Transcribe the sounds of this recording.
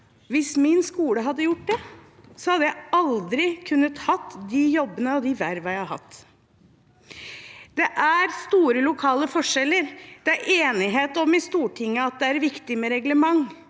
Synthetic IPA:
ʋɪsmɪnskuːləɦɑd̪ːəjʊʈ̚ːd̪ɛ | sɔhɑd̪ːəjæɪɑld̪ɾɪkʰʉnːət̪hɑt̪ːd̪ijɔbːənəɔd̪iʋæɾʋɑæɑhɑ̰t̪ː | d̪̥ɛʔæɾst̪uːɾəlʊkʰɑːləfɔʂɛlːəɾd̪̥ɛæɾʔeːnɪɦeːt̪ɔmɪst̪uːʈʰɪŋːəɑt̪̚d̪ɛæɾʋɪkt̪ɪmɛɾɛɡləmɑŋ

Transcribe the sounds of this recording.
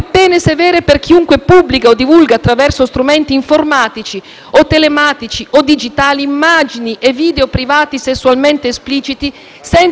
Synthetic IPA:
apːɛːnesevɛːɾeperk̟iuŋkwepubːlikaod̪ivulɡaːt̪ːɾavɛrsost̪ɾumɛnt̪iːɱformaːt̪it͡ʃi | ot̪ːelemaːt̪it͡ʃiʔod̪id͡ʒit̪aːliːmːad͡ʒiniʔevːiːd̪eopɾivaːt̪isesːualment̪eːspliːt͡ʃit̪i | sɛn

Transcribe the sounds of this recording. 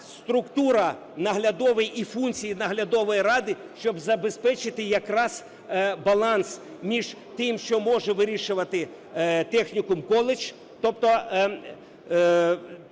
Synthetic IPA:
st̪ɾʊkt̪uɾɐ | nɐɦlʲɐd̪ɔʋɪjifunʲt͡sʲijinɐɦlʲɐd̪ɔʋɔjiɾɑd̪ɪ | ʃt͡ʃɔbzɐbespɛt͡ʃɪt̪ɪjɐkɾɑz | bɐlˠɑns | mʲiʒt̪ɪmʃt͡ʃɔmɔʒɛʋɪɾʲiʃʊʋɐt̪ɪ | t̪ɛxnʲikʊmkɔlˠɪt͡ʃ | t̪ɔp̚t̪ɔ

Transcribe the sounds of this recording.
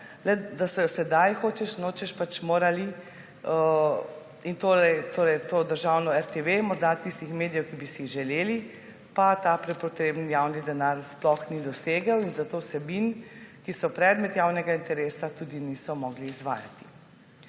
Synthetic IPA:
lɛd̪asɔjɔsɛd̪ajxoːt͡ʃɛʃnot͡ʃɛʃpat͡ʃmoːɾali | ə | int̪oːɾɛjt̪oːɾɛjt̪oːd̪əɾʒawnɔɛɾt̪eʋemɔɾd̪at̪ist̪ixmeːd̪ijɛwkibisiʒɛleːli | pat̪aːpɾɛpɔt̪ɾeːbnjawnid̪ɛnaɾsplɔxnid̪ɔseːɡəwinzat̪oːwsɛbinkisɔpɾɛd̪mɛt̪jaːwnɛɡaint̪ɛɾeːsat̪uːd̪inisɔmɔɡliːzʋa̰ːja̰t̪i̥

